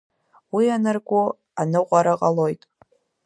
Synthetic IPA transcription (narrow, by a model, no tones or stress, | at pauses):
wianɨrɡʷʼʊ | anɨʁʷaɾaqʼalo̞ːjtʼ